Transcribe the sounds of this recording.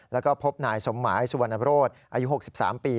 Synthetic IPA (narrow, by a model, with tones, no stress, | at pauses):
lɛː˦˥wkɔː˥˩pʰo˦˥p̚naː˨˩jso˨˩˦mːaː˩˦jsu˨˧a˨˩nʔa˧ɾoː˥˩t̪̚ʔaː˧ju˦˥ɦo˨˩k̚si˨˩p̚sa̰ː˩˦mpiː˧